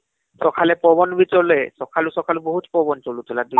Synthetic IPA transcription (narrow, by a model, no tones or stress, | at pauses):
sɔkʰalɛpɔbɔnbʱitɔɹlɔjsɔkʰalusɔkʰaluboɦutpɔbɔntɔlutʰʊladu